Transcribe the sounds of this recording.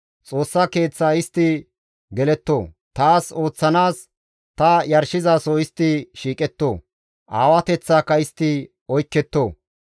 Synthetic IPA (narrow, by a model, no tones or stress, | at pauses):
t͡sʼo̞ːsːɐke̞ːt͡sːaːɪst̪ːɪ | ɡɛlɛt̪ːoː | t̪aːso̞ːt͡sːɐnaːs | t̪ɐjɐɾʃɪzaːsoɪst̪ːɪʃiːkʼɛt̪ːo̞ː | ʔaːwɐt̪ɛt͡sːaːkːɐɪst̪ːɪ | ɔjkːɛt̪ːoː